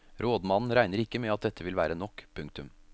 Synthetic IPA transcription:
ɾoːd̪mɑnn̩ɾæɪnəɾɪkːəmɛɑt̪̚d̪ɛt̪ʰːəʋɪlʋæːɾənɔkːpʰʉŋk̚t̪ʉm

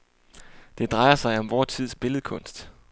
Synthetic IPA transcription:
d̥e̝d̥ʁɑ̈ɪɐsɑ̈ɪɒ̽mʋɒːt͡sʰið̞̰ˠsb̥e̝ləð̩ˠəkʰɔ̽n̰sd̥

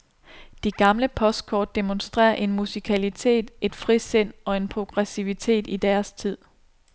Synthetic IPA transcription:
d̥iɡ̥ɑ̈mləpʰɒ̽sd̥̚kʰɒ̰ːd̥̚ːe̝monsd̥ʁɛ̰ːɐʔe̝nmusikʰælit͡sʰe̝̰ːd̥e̝d̥fʁisen̰ɒ̽e̝npʰʁo̝ɡ̥ʁɛsiʋit͡sʰe̝̰ːd̥id̥æɐst͡sʰið̰ˠ

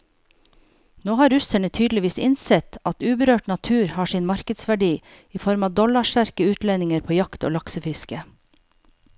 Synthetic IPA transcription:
noːhɑːɾɾʉsəɳət̪ʰyːd̪lɪʋiːsɪnsɛt̪ɑt̪ʉːbəɾøːʈnɑt̪ʰʉːɾhɑːʂɪːnmɑɾkəd̪sʋæɖiː | iːfɔɾmɑːd̪ɔlɑʃʈæɾkəʉːt̪lɛnɪŋəɾpʰoːjɑkt̪o̰ːlɑksəfɪskə

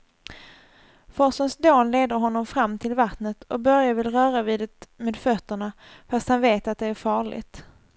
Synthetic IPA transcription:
fɔsənsd̪oːnleːd̪əɾɦɔnːɔmfɾamːt̪ʰɪlvat̪nət̪ʰʔɔbœɾjavɪlɾœːɾaviːd̪ət̪meːd̪fœt̪ːəɳa | fast̪hanveːt̪at̪̚d̪ɛæɾfɑːɭɪ̰ɡt̪

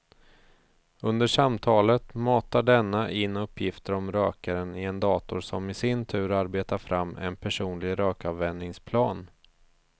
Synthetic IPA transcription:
ɵnd̪əʂamt̪ʰɑːlət̪mɑːt̪aɖɛnːaʔɪnːɵpʰːjɪft̪əɾɔmɾøːkaɾənɪɛnd̪ɑːt̪ʊɾsɔmɪsɪnt̪ʰʉ̟ːɾaɾbeːt̪aɾfɾʔamːɛ̰npʰæʂuːnlɪɡɾøːkɑvːɛnd̪nɪŋspʰlɑːn

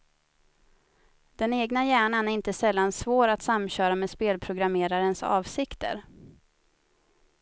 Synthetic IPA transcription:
d̪̥ɛneːɡnajæːɳanæɾɪnt̪əsɛlːansvoːɾat̪samɕœːɾameːd̪speːlpʰɾʊɡɾameːɾaɾənsɑ̰ːvsɪkt̪ə̰ɾ

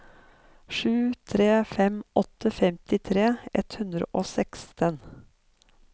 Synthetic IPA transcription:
ʂʉːt̪ʰɾeːfɛmɔt̪ʰːəfɛmt̪ɪt̪ʰɾeːʔɛt̪hʉnd̪ɾə̰ʔoːsɛkst̪ʰən

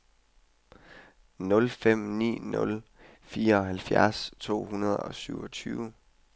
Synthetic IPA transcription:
nɔ̽lfem̰nḭːnɔ̽l | fiːɐɒ̽hælfjæɐst͡sʰo̝̰ːɦunɐðˠɒ̽syʊɒt͡sʰyːʊ

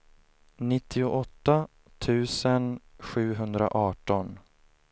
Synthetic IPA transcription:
nɪt̪ʰːɪʊʔɔt̪ːa | t̪ʰʉ̟ːsənɧʉ̟ːɦɵnd̪ɾa̰ʔɑːʈɔn

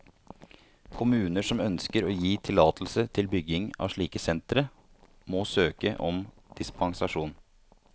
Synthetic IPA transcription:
kʰʊmʉːnəʂɔmœnskəɾoːjiːt̪ʰɪlɑːt̪ʰl̩sət̪ʰɪlbʏɡɪŋɑ̰ːʂɭiːkəsɛnt̪ɾə | moːsøːkəʔɔm | d̪̥ɪspɑŋsɑʂuːn

